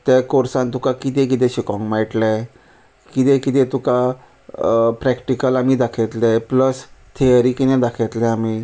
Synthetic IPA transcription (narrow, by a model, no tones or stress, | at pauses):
t̪ɛkoɾsãnt̪ukakit̪ɛ̃kit̪̬ɛ̃ɕikɔ̃ŋɡmaʈlɛ̃ | kit̪ɛ̃kit̪̬ɛ̃t̪uka | pɾɛkʈikəlamiːd̪akʰet̪lɛpləst̪ʰijəɾikinɛ̃d̪akʰet̪lɛ̃amiː